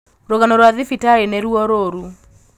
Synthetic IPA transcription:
ɾoɣanɔɾwaðifitaɾeneɾuɔɾoɾu

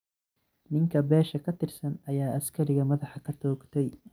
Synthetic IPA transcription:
nɪŋkʰɐbɛːʃɐkʰɐt̪ʰɪrsɐnɐjaːʔɐskʰɐɾɪɣɐmɐðɑħɑkʰɐt̪ʰɔːɡt̪ʰɛj

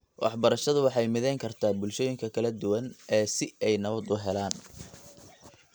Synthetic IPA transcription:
wʔɑ̰ħbɐɾɐʃɐðʊwɑħɑjmɪðɛjŋkʰɐrt̪ʰaːbʊlʃɔːjɪŋkʰɐkʰɐlɐd̪ʊwɐnɛːsɪɛjnɐβɐd̪ʊɦɛlaːn

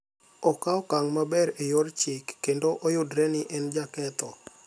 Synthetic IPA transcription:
ɔkaɔkaŋmabɛɾejoɾt͡ʃɪkːendoʔojʊdɾɛnɪʔɛnd͡ʒakɛt̪ɔ

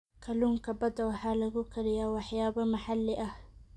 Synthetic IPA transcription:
kʰɐluŋkʰɐbɐd̪ɐwɑħaːlɐɣʊkʰɐɾɪjawɑħjaːbɐmɐħalːɪʔɐh

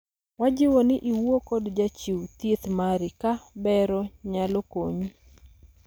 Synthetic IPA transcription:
wad͡ʒɪwonɪʔiwokɔdd͡ʒat͡ʃiwt̪jet̪maɾɪkabɛɾɔɲalɔkoɲu

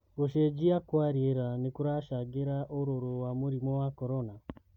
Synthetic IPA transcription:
oʃed͡ʒiakwaɾieɾanekuɾaʃaɡeɾaʔoɾoɾowamuɾimowakoɾona

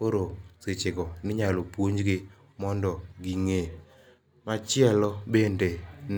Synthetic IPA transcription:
koɾoset͡ʃɪɡɔnɪɲalopwoɲd͡ʒɡɪ | mɔndɔɡiŋe | mat͡ʃɪɛlɔbenden

